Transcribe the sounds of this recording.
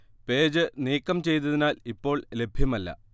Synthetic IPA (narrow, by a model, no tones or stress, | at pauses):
pe̞ːd͡ʑɨniːkːɐmt͡ɕe̞jt̪ɐðinaːlipːo̞ːɭle̞bʱjɐmɐlːɐ̰